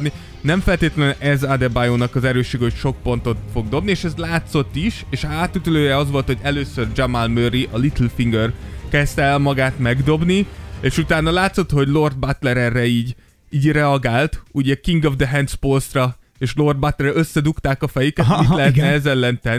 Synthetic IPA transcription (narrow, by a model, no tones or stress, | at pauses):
ni | nɛɱfɛlt̪eːt̪lɛnʔɛzad̪ɛbajoːnɒkɒzɛɾøːʃːeːɡɛɦocʃo̞k̚po̞n̪t̪o̞t̪fo̞ɡ̚d̪o̞bnieːʃɛzlaːt̪so̞t̪ːiʃeːʃaːt̪ːyt̪yløːjɛɒzʋo̞lt̪ho̞ɟɛløːsørd͡ʒamalmøɾiʔɒlit̪lfiŋɡørkɛst̪ɛɛlmɒɡaːt̪mɛɡd̪o̞bnieːʃut̪aːnːɒlaːt̪so̞t̪ho̞ɟlo̞rd̪̚bat̪lɛɾɛrːɛiːɟ | iːɟrɛɒɡaːlt̪uɟɛkiŋɡovd̪ɛɦɛnt̪spolsrɒ | eːʃlo̞rd̪bat̪lɛrɛøsːɛd̪ukt̪aːkɒfɛjykɛt̪ilɛɦɛt̪nɛɛzɛlːɛnt̪ɛn